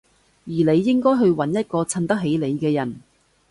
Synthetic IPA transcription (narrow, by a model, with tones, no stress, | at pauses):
jiː˨˩le˨˧jːɪ˥ŋkɔː˥jɦɵ˧ɥwɐ˨˥njɐ˥t̚kɔː˧t͡sʰɐ˧nt̪ɐ˥k̚ɦe˨˥jle˨˧jkɛː˧jɐ˨˩n